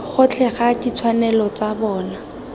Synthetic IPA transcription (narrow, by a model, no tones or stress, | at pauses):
χʊt͡ɬʰɛχadit͡sʰwanɛlɔt͡sabɔːna